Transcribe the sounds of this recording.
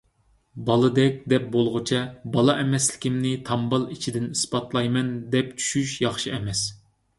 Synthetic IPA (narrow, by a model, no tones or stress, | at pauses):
bɑlˠɨd̪ɛk̚ʲd̪ɛp̚bolˠʁʊt͡ʃʰɛbɑlˠɑʔɛmɛslɪ̥kʲɪmnɪt̪ʰɑmbɑlˠit͡ʃʰid̪ɪnispɑt̪lˠɑjmɛnd̪ɛp̚t͡ʃʰy̥ʃyʃjɑχʃiɛmɛs